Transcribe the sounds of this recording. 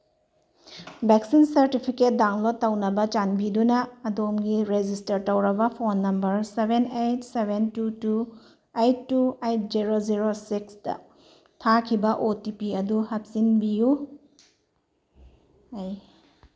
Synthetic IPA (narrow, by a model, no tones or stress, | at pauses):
beksinsɐɾtipʰiket̚dawŋlotːɐwnɐbɐt͡ʃanbidunɐːdomɡiɾed͡ʒistɐɾtɐwɾɐbɐpʰonːɐmbɐɾsebenejt̚sebʱentutu | ejtːuejt̚ziɾoziɾosiksd̥ɐ̰ | tʰakʰibɐʔotipiɐduhɐp̚sinbiju | aj